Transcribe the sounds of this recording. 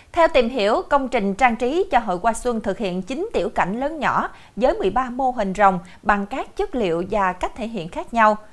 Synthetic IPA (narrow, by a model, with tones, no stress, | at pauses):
t̪ʰɛ˧wt̪i˨˩mɦi˧˩˥əwkə˧wŋ͡mt͡ɕï˨˩ŋ̟t͡ɕaː˧ŋt͡ɕi˨˦t͡ɕɔ˧ɦo̰˧˨jkwaː˧swə˧nt̪ʰɨ˨˩k̚hḭ˧˨ənt͡ɕï˨˦ŋt̪i˧˩əwka̰˧˩jŋ̟ləː˨˦nɲɔ̰˧˩˥ | zəː˨˦jmɨ˨˩əjɓaː˧mo˧ɦï˨˩ŋ̟zə˨˩wŋ͡m | ɓa˨˩ŋkaː˦˥k̚t͡ɕə˦˥t̚lḭ˧˨əwvaː˨˩ka˦˥k̚t̪ʰḛ˧˩ɦḭ˧˨ənxaː˦˥k̚ɲa˧w